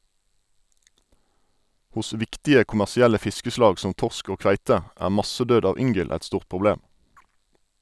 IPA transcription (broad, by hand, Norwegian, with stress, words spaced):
ˈhʊs ˈʋɪktɪə kʊmæʁsɪˈælə ˈfɪskəˌslɑːɡ ˈsɔm ˈtɔʁsk ˈoː ˈkʋæɪtə ˈæː ˈmɑsəˌdøːd ˈɑʋ ˈʏŋɡəl ˈɛt ˈstuːʁ pʁʊˈbleːm